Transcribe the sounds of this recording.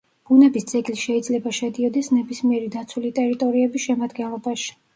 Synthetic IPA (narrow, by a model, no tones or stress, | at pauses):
b̥unɛbisd̪z̥ɛɡliʃɛid̪zlɛbaʃɛd̪iɔd̪ɛsnɛbismiɛɾid̪at̪sʰulit̪ʼɛɾit̪ʼɔɾiɛbisʃɛmad̪ɡɛnlˠɔbaʃi̥